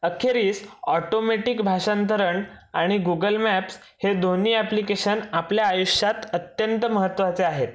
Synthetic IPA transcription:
əkʰeɾiːsɔʈomeʈikbʱaɕant̪əɾəɳaɽ̃iɡuɡəlmæps | hed̪ʱoniːæplikeɕənapljaːjuɕjat̪ət̪jənt̪əməɦət̪ːʋat͡seaɦet̪

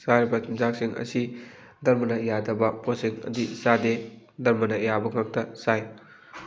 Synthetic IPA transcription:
saɾɐbɐkʰimzak̚siŋɐ̰si | dɐɾmɐnɐjadɐbɐposiŋɐ̰disade | dɐɾmɐnɐjabɐŋak̚tɐsaj

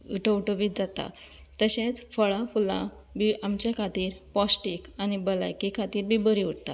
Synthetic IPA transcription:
ʈowʈoʋiːd͡zat̪a̰ | t̪əɕẽt͡sfəɭãfulã̰ | biʔamt͡ɕakʰat̪iːɾpɔsʈikañibəla̰jkikʰat̪iːɾbibəɾiuɽt̪a

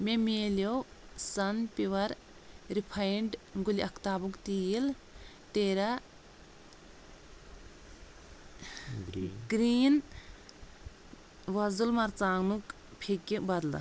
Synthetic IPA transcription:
memeːlijo | sɐnpiʋɐɾ | ɾipʰɐjɳɖɡuliʔɐkʰt̪aːbukt̪iːil | t̪eːɾɐ | ɡɾiːn | ʋɐzulmɐɾt͡saːŋnuk | pʰekʲːibɐd̪la̰

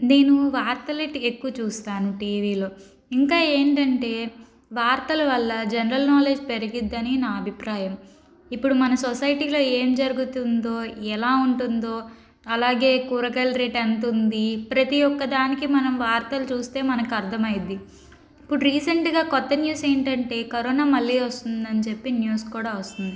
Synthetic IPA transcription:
ne̞ːnuʋaːɾt̪ɐleʈekːuʋɐt͡ʃuːst̪aːnuʈiːʋiːlo̞ː | iŋkaːe̞ːɳʈɐɳʈe̞ː | ʋaːɾt̪ɐlɐʋɐlːɐd͡ʒɛnɐɾɐlnaːle̞ːd͡ʒpeɾiɡid̪ːɐninaːɐbʱipɾaːjɐm | ipːuɽumɐnɐsɔsɐjʈiːlo̞ːe̞ːmd͡ʒɐɾuɡut̪und̪o̞ːɛlaːuɳʈund̪o̞ː | ɐlaːɡe̞ːkuːɾɐkɐlɾeːʈɐnt̪und̪ipɾɐt̪ijɔkːɐd̪aːnikimɐnɐmʋaːɾt̪ɐlut͡ʃuːst̪e̞ːmɐnɐkiɐɾd̪ʱɐmɐjid̪i | ipːuɽuɾiːsɐɳʈɡaːkɔt̪ːɐnjuːse̞ːɳʈɐɳʈe̞ːkɐɾoːnaːmɐɭːiːʋɐst̪und̪ɐnit͡ʃe̞pːinjuːskuːɽaːʋɐst̪und̪i

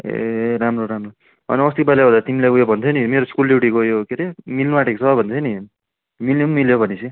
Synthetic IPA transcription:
ḛɾamroɾamro | ʌ̰niʌst̪ipalabʌd̪at̪imilekojobʱʌnt͡s̪ʰʌnimeɾoskuliwʈikojokeɾemilnuaʈeksʌʌbʱʌnt̪ʰʌni | miljmmiljobʱʌnisʰi

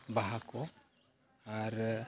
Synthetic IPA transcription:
baɦakʰɔ | aɾ

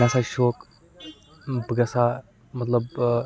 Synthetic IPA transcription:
asaʃoːk | bəɡɐsa | mɐt̪ləb

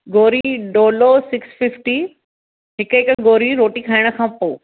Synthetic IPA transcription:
ɡoːɾiɖoːlosɪksfɪfʈi | ɦɪkəɪkɡoːɾiɾoːʈikʰaːɪɽ̃ə̆kʰãːpoː

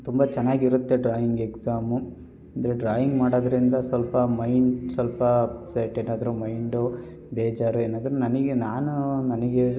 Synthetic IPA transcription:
t̪umbɐt͡ʃɛnːaːɡiiɾut̪ːe̞ɖɾaːjiŋɡeksaːmu | ɐnd̪ɐɾeɖɾaːjiŋɡmaːɽoːd̪ɐɾind̪ɐsʋɐlpɐmɐjɳsʋɐlpɐpsɐʈeːnaːd̪ɐɾumɐjɳɖu | beːd͡ʒaːɾueːnaːd̪ɐɾunɐnɐɡenaːnunɐnɐɡe

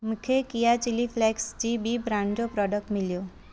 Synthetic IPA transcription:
mukʰjekijat͡ʃilifʰlɛksd͡ʒibibɾaɳd͡ʒopɾɔɖək̚ʈmiljo

